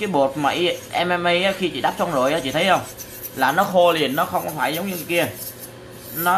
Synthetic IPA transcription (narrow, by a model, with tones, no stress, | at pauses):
kaː˨˦jɓo˨˩ət̚ma̰ː˨˩ʔi˧ʔɛ˧mʔɛ˧mʔə˧jʔaː˨˦xi˧t͡ɕḭ˧˨ɗaː˦˥p̚t͡ɕwɔ˧nzo˨˩jʔaː˨˦t͡ɕḭ˧˨t̪ʰjxə˧wŋ͡m | laː˨˩nɔ˨˦xo˧li˨˩ənːɔ˨˦xə˧wŋ͡mkɔ˨˦faː˧˩jzə˨˦wŋ͡mɲɨ˧˨˩ki˧ə | nɔ˨˦